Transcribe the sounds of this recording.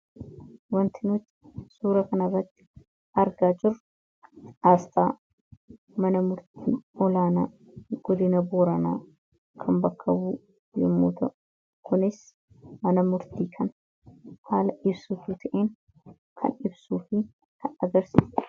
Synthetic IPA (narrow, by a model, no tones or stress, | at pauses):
wɐnt̪ʰɪnʊt̪ː | suːɾɐkɐnɐrːɐt̪ːɪ̥ | ɐɾɡaːd͡ʒɪrʊ | ʔaːst̪aː | mɐnɐmʊɾt̪ḭːʔɔlaːnaː | ɡ̥ɔd̪ɪnɐboːɾɐnaː | kʰɐmbɐkʰːɐwuː | jɛ̰mːoːt̪ɐʔʊ | kʊnɪs | mɐnɐmʊɾt̪iːkʰɐn | haːlɐʔɪbsʊt̪uːt̪ʰɐʔeːn | kʰɐ̰nɪbsuːfɪ | kʰɐnɐɡɐɾsɪs